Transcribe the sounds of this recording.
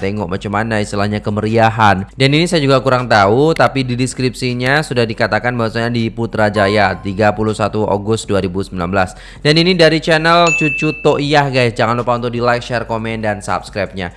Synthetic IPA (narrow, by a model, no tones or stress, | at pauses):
t̪ɛŋɡɔʔmʔat͡ʃəmanaist̪ilahɲakəməɾiaɦandaninisajad͡ʒuɡakuɾaŋt̪aut̪apididiskɾip̚siɲasudahdikat̪akanbawasaɲadiput̪ɾad͡ʒajat̪iɡapuluhsat̪uo̰ɡʊst̪̚duaɾibusəmila̰nbəlas | daninidaɾit͡ʃɛnɛlt͡ʃut͡ʃut̪oʔiahɡajsd͡ʒaŋanlupaunt̪ʊk̚dilajk̚ʃɛrkomɛndansa̰p̚skɾajp̚ɲa̰